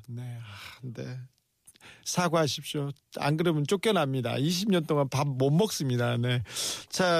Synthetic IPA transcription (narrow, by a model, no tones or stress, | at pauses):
ne̞ande | sʰaɡoɦaɕʰip̚ɕ͈o | a̰nɡɯɾɯmɯnt͡ɕ͈ok͈jʌnamɲida̰iɕ̬ʰimɲʌnt͈oŋanpam̚momːʌk̚s͈ɯmɲidane̞t͡ɕʰa